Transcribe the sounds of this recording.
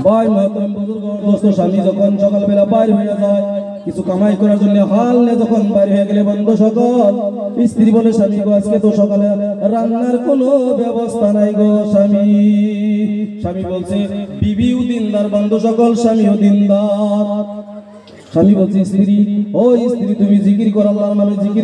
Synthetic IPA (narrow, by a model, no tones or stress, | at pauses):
bajmɔt̪ɔmbuzuɡɔb̪ost̪oʃamid͡ʒɔkʰɔnʃɔkalebɛlabajɾɦɔjad͡zaj | kit͡ʃʰukamajkɔɾaɾd͡zonːeɦalnɛd͡ʒɔkʰɔnbajɾɦojaɡelebɔnd̪ʱoʃɔkɔlist̪iɾibɔleʃamiɡɔasket̪oʃɔkaleɾaŋnaɾkonobɛbɔst̪ʰanajɡɔʃami | ʃamibolsʰebibiwd̪ind̪aɾbɔnd̪ʱoʃɔkɔlʃamiud̪ind̪aɾ | ʃamibolsʰeist̪ʰiɾiɦojist̪ʰiɾit̪umizikɾikɔɾalːaɾmamezikɾ